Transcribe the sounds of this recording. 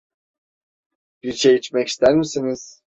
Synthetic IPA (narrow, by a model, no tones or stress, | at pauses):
b̥iɾʃejit͡ʃmɛci̥st̪ʰæɾmisiniz̥